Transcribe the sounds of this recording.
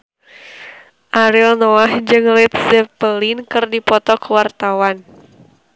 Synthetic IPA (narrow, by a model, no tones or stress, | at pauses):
ʔaɾilnɔahd͡ʒɨŋlɛt̪̚sɛpəlinkɨrdipɔt̪ɔkəwart̪awan